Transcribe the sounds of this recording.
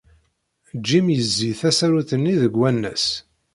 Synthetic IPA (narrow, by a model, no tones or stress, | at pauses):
d͡ʒːimjəzːiθæsæɾuθənːiðəɡwænːæ̰s